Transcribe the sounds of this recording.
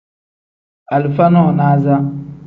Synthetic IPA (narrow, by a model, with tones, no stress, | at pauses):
a˨li˨fa˦nɔ˦˨naː˦za˦